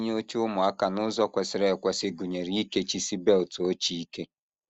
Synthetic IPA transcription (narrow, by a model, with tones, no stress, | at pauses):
ɲ˦o˦t͡ʃu˦mʊ˨a˦ka˨nʊ˦zɔ˦kʷe˨sɪ˨ɾe˨kʷɛ˨˦sɪ˦ɡu˨ɲe˨ɾi˨˦i˦ke˦t͡ʃi˦si˦be˦lto˦t͡ʃi˦i˦ke˦